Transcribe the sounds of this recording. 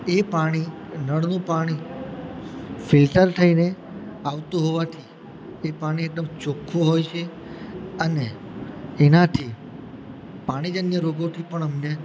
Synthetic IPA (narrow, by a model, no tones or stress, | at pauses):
epaɽ̃i | nəɽnũpaɽ̃i | fɪlʈəɾt̪ʰəine | aʋt̪ũɦoʋat̪ʰi | epaɽ̃ieɡ̚d̪əmt͡ʃokʰːoɦojt͡ʃʰe | əne | enat̪ʰi | paɽ̃id͡ʒənjəɾoɡot̪ʰipəɳəmne